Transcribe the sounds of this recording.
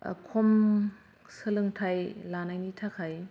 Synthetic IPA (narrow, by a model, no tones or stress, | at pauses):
kʰom | sɯlɯŋtʰajlanajnitʰakʰaj